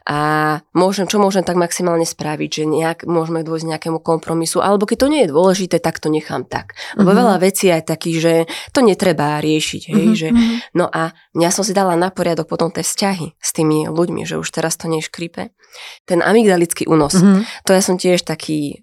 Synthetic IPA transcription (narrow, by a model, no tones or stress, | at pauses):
ʔamʊɔʒɛmt͡ʃɔmʊɔʒɛmt̪aɡmaksimaːlɲɛspɾaʋiɟʒɛɲɛakmʊɔʒmɛd̪ʊɔjzɲɛakɛmukɔmpɾɔmisuʔa̰lɛbɔkɛc̚t̪ɔɲɛjɛd̪ʊɔlɛʒit̪ɛːt̪akt̪ɔɲɛxa̰ːmt̪a̰klɛbɔʋɛʎaʋɛt͡siːajt̪akiːɣʒɛt̪ɔɲɛt̪ɾɛbaɾɪɛʃḭɟɦɛjʒɛnɔʔa | jasɔms̬id̪alanapɔɾɪad̪ɔk̚pɔt̪ɔmt̪ɛːfscaɦist̪iːmiluɟmḭʒɛ̰ṵʃt̪ɛɾast̪ɔɲɛʃkɾipɛ̰ | t̪ɛnʔa̰miɡd̪alit͡skiʔṵːnɔst̪ɔjasɔmcɪɛʃt̪akʰiː